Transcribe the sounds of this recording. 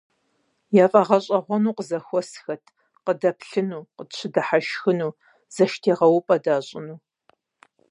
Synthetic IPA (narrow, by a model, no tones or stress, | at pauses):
jaːfʼɐʁɐɕʼɐʁʷɔnuːqəzɐxʷɔsxɐtʰ | qədɐpɬɨnuːqəɕʰɪdɐħaʃxɨnuː | z̥ɐʃtʰeːʁɐwʊpʼɐdaːɕʼɪnuː